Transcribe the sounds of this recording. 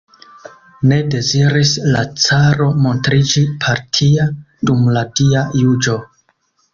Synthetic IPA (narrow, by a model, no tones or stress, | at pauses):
ne̞de̞ziɾisla̰t͡saɾo̞mo̞ntɾid͡ʒipʰaɾtʰia | d̥umladiajud͡ʒo̞